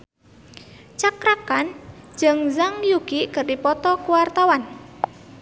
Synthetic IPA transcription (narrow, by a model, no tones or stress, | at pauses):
t͡ʃakɾakan̥d͡ʒəŋzaŋjuɡ̥iʔkərdipɔt̪ɔkuwart̪awan